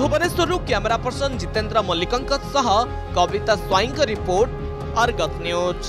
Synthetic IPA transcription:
bʱubɔnesɔɾukjameɾapɔɾsɔnd͡ʒit̪end̪ɾɔmɔlikɔŋkɔsɔɦɔ | kɔbit̪aswajiŋkɔɾipoɾʈ | ɔɾɡɔt̪niot͡ʃʰ

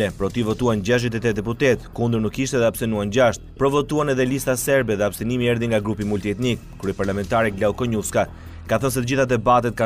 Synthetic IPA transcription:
lɛpɾɔt̪ivɔt̪uanɟaʃ̬d̪it̪̬ɛt̪ɛd̪ɛput̪ɛt̪kund̪əɾnukːiʃt̪ɛðɛapsɛnuand͡ʑaʃt̪̚pɾɔvɔt̪uanɛðɛlist̪asɛɾbɛðɛapsɛnimiɛɾðiŋɡaɡɾupimult̪iɛt̪nik | kuɾɛpaɾlamɛnt̪aɾɛɡlaukɔɲufska | kaθəns̬ɛt̪əd͡ʑiθad̪ɛbat̪ɛt̪̚ka

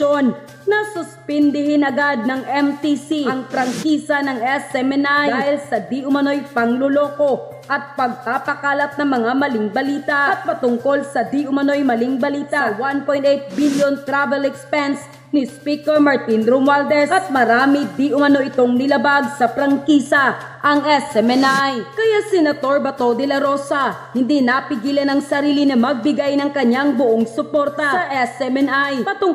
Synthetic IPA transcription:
on | nɐsʊspɛnd̪ɪhɪnɐɡad̪̚nɐŋʔɛmt̪isiɐŋpɾɐŋkiːsɐnɐŋʔɛsɛmɛnaj̪aːhɪlsɐd̪iʔʊmɐno̞jpɐŋlolo̞ːko̞ | ʔɐt̪̚pɐɡ̚paːpɐkaːlɐt̪̚nɐŋmɐŋamɐlɪŋbɐliːt̪ɐʔɐt̪̚mɐt̪ʊŋko̞lsɐd̪iʔʊmɐno̞jmɐlɪŋbɐliːt̪ɐwanpo̞jnt̪ɛjt̪̚biljont̪ɾavɛlɛkspɛns | nɪspikɛɹmɐɹt̪inɾomald̪ɛsɐt̪̚mɐɾaːmɪd̪iʔʊmɐno̞ʔɪt̪o̞ŋnɪlɐbaɡsɐpɾɐŋkiːsɐ | ʔɐŋʔɛsɛmɛnajkɐjasɛnɐt̪o̞ɹbɐt̪o̞d̪ɪlɐɾo̞sɐhɪnd̪inɐpɪɡiːlɐnɐŋsɐɾiːlɪnɐmɐɡ̚bɪɡajnɐŋkɐɲaŋbʊʔoŋsʊpo̞ɾt̪ɐɐʔɛsɛmɛnajpɐt̪ʊŋ

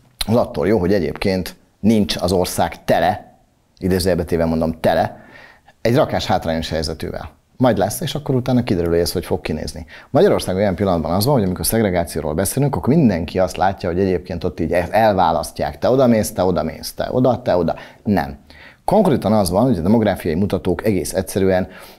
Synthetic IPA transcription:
ɒzɒt̪ːoːljoːɦo̞ɟɛɟḛːpkeːnt̪ | nint͡ʃɒzo̞rsaːkt̪ɛlɛ | id̪eːzɛɛbɛt̪eːvɛmo̞nd̪o̞mt̪ɛlɛ | ɛɟrɒkaːʃhaːt̪raːɲo̞ʃhɛjzɛt̪ø̰ːvɛ̰l | mɒjɟd̪lɛsːeːʃɒkːo̞ɾut̪aːnɒkid̪ɛɾyleːɛsho̞cfo̞kːinḛːznimɒɟɒɾo̞rsaːɡojɛmpilːɒnɒd̪bɒ̰nɒzʋɒnɦoɟɒmikorsɛɡɾɛɡaːt̪sijo̰ːɾo̰ːlbɛseːlyŋkɒkmind̪ɛŋkʰiɒst̪laːcːɒɦo̞ɟɛɟeːp̚keːnt̪o̞t̪ːiːɟɛɛlvaːlɒscːa̰ːkt̪ɛo̞d̪ɒmeːst̪ɛo̞d̪ɒmḛːst̪ɛ̰ʔo̞̰d̪ɒt̪ɛo̞d̪ɒnɛ̰mko̞ŋkreːt̪ɒnɒzʋɒnho̞ɟɒd̪ɛmo̞ɡɾaːfijɒjimut̪ɒt̪oːkɛɡeːsɛtsɛɾyɛn

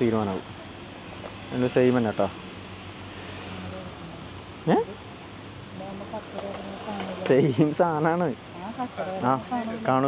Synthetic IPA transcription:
t̪iːɾumaːnaːʋɨ̰ | enːusejimɐnːeʈːa | e | sejimsaːnaːɳɨ | aːkaːɳu

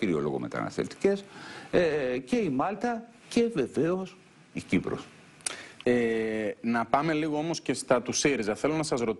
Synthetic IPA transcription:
iɾio̞̰lo̞̰ɣo̞̰me̞̰t̪ɐ̰nɐ̰sθelt̪i̥ce̞sece̞imɐlt̪ɐ | ce̞ve̞ve̞o̞s | icipɾo̰s | enɐpɐme̞liɣo̞o̞mo̞sce̞st̪ɐt̪usiɾizɐθe̞lo̞nɐsɐzɾo̞t̪

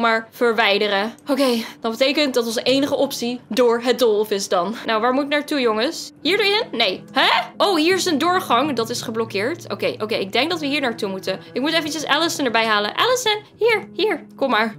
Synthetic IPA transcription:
maːɹv̥əɹʋɛjdəɾəokejd̥ɑtbətejkənt̚dɑtɔnszənʔejnəχəʔɔpsidʊːɹɦət̚dolˠfɪsdɑnnawʋaːɹmutnaːɹtujʊŋəsɦiːɹdəɹɪnnejɦɛʔowɦiːɹɪsəndʊːɹχɑŋdɑtɪsχəblɔkɪːɹto̰wkejʔowkejɪɡ̚dɛŋk̚dɑtʋəɦiːɹnaːɹtumutənɪkmutɛfənt͡ʃəsɛləsənəɹbɛjɦaːlə̰ʔɛləsən | hiːɹɦiːɹkɔmːaːɹ

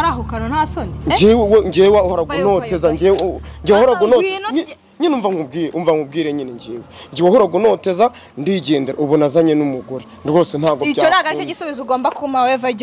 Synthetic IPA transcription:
ɾaɦukanonhasoniɲd͡ʒewweɲɟewahaɾaɡunotezaɲɟeɲɟiwahoɾaɡunoɲ | ɲinuːɱvaŋub̚ɡiːɾeuɱvaŋub̚ɡiːɾeɲiniɲɟeːweɲɟiwahuɾaɡunoteza | ndiɟeːndeɾeuβunazaɲenumuɡuɾindɡoːsen̥haɡoit͡ʃaoɾaɡaɾit͡ʃeɟisuβizuɡoːmbakumawevaɟ

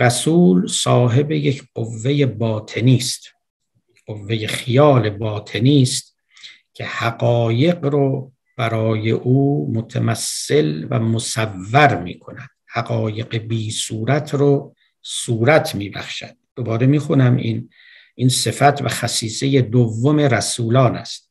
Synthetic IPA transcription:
ɾæsuːlsɒːɦe̞bejekʰɢ̥ovːe̞jebɒːt̪ʰe̞niːst̪ | ɢ̥ovːe̞je̞xijɒːlebɒːt̪ʰe̞niːst̪ | cʰe̞hæɡɒːje̞ɡɾo | b̥æɾɒːjḛʔuːmot̪ʰæmæsːe̞lvæ̰mosævːæɾmḭːkʰo̞næd̪̥hæɡɒːje̞ɡebiːsuːɾæt̪ʰɾo | suːɾæt̪ʰmiːbæ̰χʃæ̰d̪̥̚ːo̞bɒːɾe̞miːxunæmḭn | ʔinse̞fæt̪ʰvæ̰xæsiːsejed̪ovːome̞ɾæsuːlɒːnæ̰st̪̚

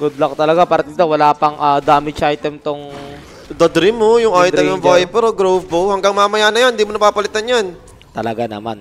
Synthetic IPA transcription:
ɡʊd̪lok̚t̪ɐlɐɡapaːɾɐt̪it̪owɐlaːpɐŋʔaːd̪aːmɪt͡ʃʔajt̪ɛmt̪oŋ | d̪ɐd̪ɾimojʊŋʔajt̪ɛmnɐvojpɛɾoɡɾowvpohɐŋɡaŋmamɐjanɐjanɪnd̪iːmonɐpapɐlɪt̪anjan | t̪ɐlɐɡanɐ̰ma̰n

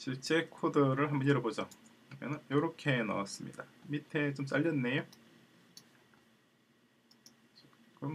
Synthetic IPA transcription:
ɕʰiɭt͡ɕ͈e̞kʰodɯɾɯɭɦambʌnjʌɾʌbod͡ʑʌ | mʌnɯnjoɾʌkʰe̞na̰was͈ɯmɲḭdamitʰe̞t͡ɕoms͈aʎːʌnːe̞jo | t͡ɕi | kʌm

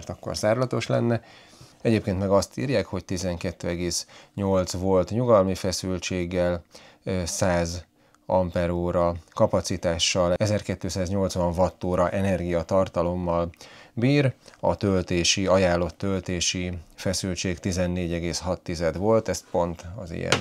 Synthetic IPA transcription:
rt̪ɒkːo̰rzaːɾlɒt̪o̞ʃlɛ̰nːɛ | ɛɟeːpkeːnt̪mɛɡɒst̪iːrjaːkho̞ct̪izɛŋkɛt̪ːøːɛɡeːsɲo̞lt̪sʋo̞lt̪ɲuɡɒlmifɛsylt͡ʃeːɡːɛl | saːz | ɒmpɛɾoːɾɒkɒpɒt̪sit̪aːʃːɒlɛzɛrkɛt̪ːøːsaːzɲo̞lt̪sʋɒɱvɒt̪ːoːɾɒʔɛnɛrɡijɒt̪ɒrt̪ɒlo̞mːɒlbiːɾɒ̰t̪ølt̪eːʃiɒjaːlːo̞t̪ːølt̪eːʃifɛsylt͡ʃeːkt̪izɛnːeːɟɛɡeːshɒt̪ːizɛd̪ʋo̞lt̪ɛst̪po̞nt̪ɒzḭjɛ̰n

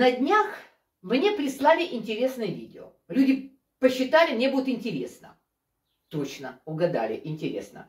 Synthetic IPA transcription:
nɐdʲnʲax | mnʲe̞pɾʲɪslˠalʲɪʔɪnʲtʲɪɾʲe̞snɨjəvʲidʲɪo̰ | lʲudʲɪ | pəɕːɪt̪alʲɪmnʲe̞bud̪ʲʊt̪ɪnʲtʲɪɾʲe̞snə̰ | t̪ot͡ɕnəʊɡɐd̪a̰lʲɪ̰ʔɪnʲtʲɪɾʲe̞̰snə̰

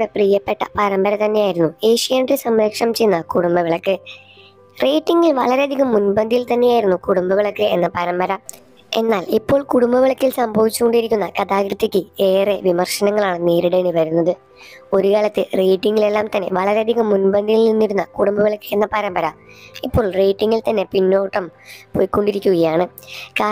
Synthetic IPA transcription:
ɽeprijɐpːe̞ʈːɐ̰pɐɾɐmbɐɾɐt̪ɐnːe̞jaːjiɾunːueːʂijɐːnɖesɐmɾɐkʂɐmt͡ɕejunːɐkuɽumbɐʋiɭɐkːɨ | reːʈːiŋɡilʋɐɭɐɾeɐd̪ʱiɣɐmːunbɐnd̪ʱijilt̪ɐnːe̞jaːjiɾunːukuɽumbɐʋiɭɐkːɨe̞nːɐpɐɾɐmbɐɾɐ | e̞̰nːaːlipːo̞ːɭkuɽumbɐʋiɭɐkːilsɐmbʱɐʋit͡ɕːuko̞ɳɖijiɾikʲːunːɐkɐd̪aːkɾɨt̪ːikʲːɨe̞ːre̞ʋimɐrʂɐnɐŋːɐɭaːɳɨniːɾiɽe̞ːɳiʋɐɾunːɐðɨ | o̞ɾukɐlɐt̪ːɨre̞jʈːiŋɡile̞lːaːmt̪ɐnːe̞ʋɐɭɐɾe̞ɐd̪ʱiɣɐmːunbɐnd̪ʱijilninːiɾunːɐkuɽumbɐʋiɭɐkːɨenːɐpɐɾɐmbɐɾamipːo̞ːɭre̞ːʈːiŋːɡilt̪ɐnːe̞pinːo̞ːʈːɐmpojikːo̞ɳɖiɾikʲːuɣɐjaːɳɨkaː

